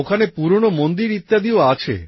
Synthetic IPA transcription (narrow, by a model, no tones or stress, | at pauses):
okʰanepuɾɳ̃omɔnd̪iɾit̪jad̪ioat͡ʃʰḛ